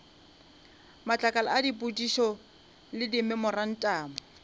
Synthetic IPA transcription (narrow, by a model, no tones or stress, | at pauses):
mat͡ɬʼakʼala̰adipʼutʼiʃɔ | lɪdimɪmʊran̩tʼaːmʊ